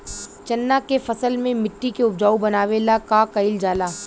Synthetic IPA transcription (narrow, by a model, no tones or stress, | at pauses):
t͡ʃɐnːakefɐsəlmẽmɪʈːikeʊbd͡ʒaːubɐnaːʋelakakɐɪld͡ʒaːlaː